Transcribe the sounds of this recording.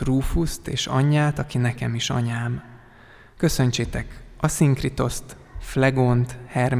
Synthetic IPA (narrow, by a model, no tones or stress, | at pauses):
ruːfust̪eːʃɒ̰ɲːaːt̪ɒkinɛkɛmiʃɒ̰ɲaːm | kø̞sø̞nt͡ʃeːt̪ɛkɒsiŋkrit̪o̞st̪ | flɛɡont̪hɛrm